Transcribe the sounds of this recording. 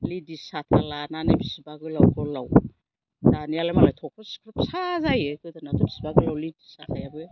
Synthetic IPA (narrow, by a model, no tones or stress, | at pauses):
lidisatʰalananabisi̥baɡɯlawkolaw | danialamalajtʰokʰoskʰɾapsazajekɯtanatʰubi̥sibaɡɯlawlidisatʰajabɯa